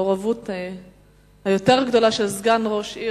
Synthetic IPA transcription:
oʁavut | hajo̞teʁɡd̪o̞laʃelzɡanʁo̞ʃi

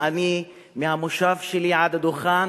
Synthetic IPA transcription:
ʔami | mihamʊʃafʃiliːʕad̪ad̪ʊxaːn

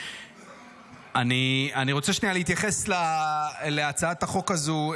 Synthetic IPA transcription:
anianiʁot͡seʃnialeit̪jaχe̞slaleat͡saat̪aχo̞kazu

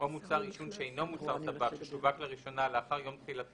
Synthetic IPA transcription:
omut͡saʁiʃunʃeejno̞mut͡saʁsabakʃeʃuvakleʁiʃo̞naleaχaʁjo̞mt̪χilat̪

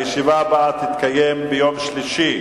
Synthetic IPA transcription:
jeʃivabat̪it̪kajembejomʃliʃi

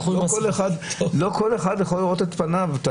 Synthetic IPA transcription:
koleχad̪loko̞le̞χad̪jeχolːiʁot̪et̪panavat̪a

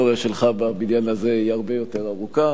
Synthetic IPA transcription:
oʁeʃelχababinjanazeihaʁbe̞jo̞te̞ʁaʁuka

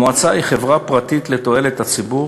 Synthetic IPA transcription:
oat͡sajχe̞vʁapʁat̪it̪let̪o̞e̞let̪at͡sibu

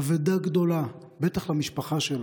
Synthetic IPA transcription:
ved̪aɡd̪o̞la | bet̪aχlamiʃpaχaʃel

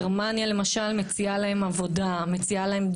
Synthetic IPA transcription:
ʁmanjale̞maʃalme̞t͡sialahe̞mavo̞dame̞t͡sialaɦe̞md

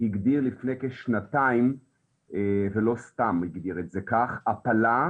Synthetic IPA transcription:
hiɡd̪iʁlifnekeʃnataim | evelo̞st̪amiɡd̪iʁetzekaχapala

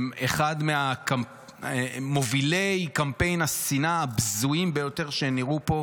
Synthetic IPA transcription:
meχadmeaka | movilejkampe̞jnasinaːbzuimbejo̞te̞ʁʃeniʁupo̞

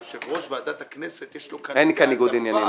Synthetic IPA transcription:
ʃevʁoʃvead̪at̪akneset̪jeʃlokaenikaniɡud̪injani

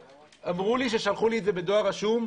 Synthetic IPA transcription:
ʔamʁuliʃ̬e̞ʃalχulietzebe̞d̪o̞aʁaʃum

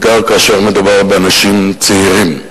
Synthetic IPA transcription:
ɡaʁkaːʃeʁmed̪ubaʁbeanaʃimt͡seiʁim

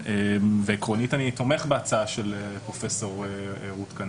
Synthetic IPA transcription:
eveekʁonitanito̞meχbeat͡saaʃelepʁofeso̞ʁeʁutkan

